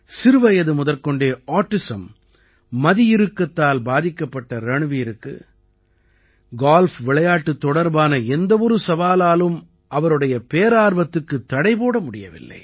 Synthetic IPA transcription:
sɪɾɯʋɐjɐðɯmʊðɐɾkɔɳɖeːaːʈːɪsɐmː | ɐðɪjɪɾɯkːɐt̪ːaːlbaːðɪkːɐpːɐʈːɐɾɐɳɯʋiːɾɯkːɯ̰ | ɡaːlfʋɪɭɐjaːʈːɯt̪ːɔɽɐɾbaːnɐɛnd̪ɐʋɔɾɯsɐʋaːlaːlɯm | ʔɐʋɐɾɯɽɐjɐpeːɐɾaːɾʋɐt̪ːɯkːɯt̪ːɐɽɐɪpoːɽɐmʊɽɪjɐ̰ʋɪ̰lːɐ̰ɪ

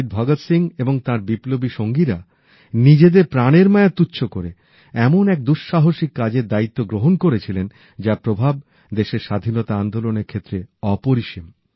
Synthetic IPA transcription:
ɖ̚bʱɔɡot̪siŋeboŋt̪aɾbiplobiʃoŋɡiɾa | nid͡ʑed̪eɾpɾaneɾmaet̪ːutːɕʰokoɾe | ɛmonɛk̚d̪uʃʃaɦoʃikːad͡ʑeɾd̪ait̪ːoɡɾoɦonkoɾet͡ɕʰilen | d͡ʑapɾobʱab̚ | d̪eʃeɾʃad̪ʱinɔt̪aand̪oloneɾkʰet̪ːɾeɔpoɾiʃim

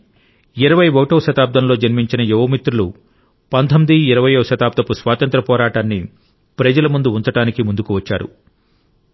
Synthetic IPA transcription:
iɾɐʋɐjʋoːʈɐːʃɐt̪aːp̚d̪ɐmlo̞ːd͡ʒɐnmiɲt͡ʃinɐjuʋɐmit̪ɾulu | pɐnt̪ʰɐmd̪iiɾɐʋɐjoːɐʃɐt̪aːp̚d̪ɐpusʋaːt̪ɐnt̪ɾɐpɔːɾaːʈaːnːi | pɾɐd͡ʒɐlɐmund̪uunt̪ɐʈaːnikimund̪ukuʋɐt͡ʃːa̰ːɾṵ

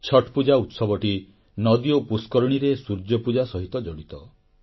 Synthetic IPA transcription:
t͡ʃʰɔʈʰpud͡ʒaut̪sɔbɔʈi | nɔd̪iopuskɔɾɔɽ̃iɾesuɾd͡ʒɔpud͡ʒasɔɦit̪ɔd͡ʒɔɽit̪ɔ

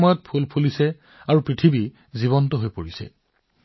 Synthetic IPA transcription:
mɔjɔt̚pʰulpʰulisɛ | aɹupɹitʰibi | ziβɔntɔɦojpoɹisɛ̰

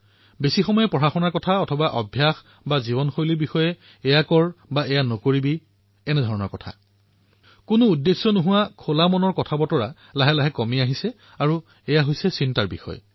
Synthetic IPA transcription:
besixɔmɔjɛpɹɔɹaxɔnaɹkɔtʰaɔtʰɔbaʔɔbʱjax | bazibɔnxojlibixɔjɛː | jakɔɹbaɛjanokoɹibi | ɛnɛdʱɔɹɔnɔɹkɔtʰa̰ | kʊnʊudːesːɔnoɦʊwakʰolamɔnɔɹkɔtʰabɔtɔɹa | laɦɛlaɦɛkɔmiaɦisɛ | aɹu | ɛjaɦojsɛsintaɹbḭxɔ̰j

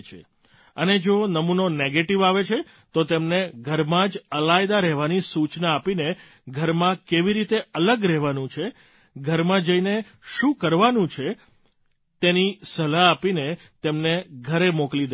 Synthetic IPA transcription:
t͡ʃʰḛ | əned͡ʒonəmunoneɡeʈiʋaʋet͡ʃʰe | t̪ot̪emneɡʱəɾmãd͡ʒəlajd̪aɾɛɦʋanisut͡ʃnaːpine | ɡʱəɾmãkeʋiɾit̪eələɡɾɛɦʋanũt͡ʃʰe | ɡʱəɾmãd͡ʒəine | ʃũkəɾʋanũt͡ʃʰe | t̪enisəlaːpine | t̪emneɡʱəɾemoklid̪

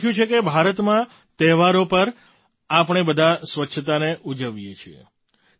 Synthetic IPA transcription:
jũt͡ʃʰekebʱaɾət̪mã | t̪ɛɦʋaɾopəɾ | apɳ̃ebəd̪ʱasʋətːʃʰət̪aneʔud͡ʒəʋjet͡ʃʰiḛ

